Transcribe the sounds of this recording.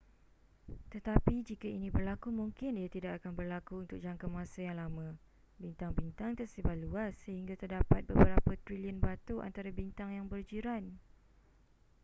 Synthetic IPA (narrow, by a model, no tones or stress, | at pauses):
t̪ət̪apid͡ʒikainĩbərlakumuŋkɪniat̪idak̚akanbərlakuunt̪ʊk̚d͡ʒaŋkamasajaŋlamã | bint̪aŋbint̪aŋt̪ərsibaʔ̪̚luasːəhiŋɡat̪ərdapat̪̚bəbəɾapat̪ɾiliənbat̪uʔa̰nt̪aɾabint̪aŋjaŋbərd͡ʒiɾan